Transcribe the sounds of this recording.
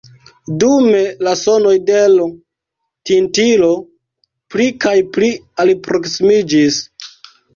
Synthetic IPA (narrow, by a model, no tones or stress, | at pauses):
dume̞laso̞no̞jde̞l | tintilo̞ | plikajplialipɾo̞ksimid͡ʒis